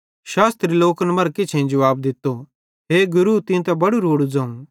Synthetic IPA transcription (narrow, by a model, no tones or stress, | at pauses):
ʃaːst̪ɾiloːknɐmɐɾkɪt͡ʃʰẽd͡ʒɐʋaːb̚d̪ɪt̪ːo | ɦeːɡʊɾut̪ɪ̃t̪ɛbɐɽuɾoːɽud͡zãːũ